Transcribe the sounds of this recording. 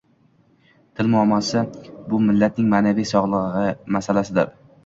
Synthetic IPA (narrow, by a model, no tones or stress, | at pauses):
t̪ʰɪlmʊamɒsɪbʊmɪlːat̪̚nɪŋmaːnavijsɒʁlˠɨʁmasalasɪd̪aɾ